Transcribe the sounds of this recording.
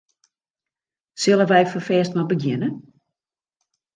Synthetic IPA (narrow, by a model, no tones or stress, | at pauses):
sɪlˠəʋɛjfəfɛːstmabəɡjɪnə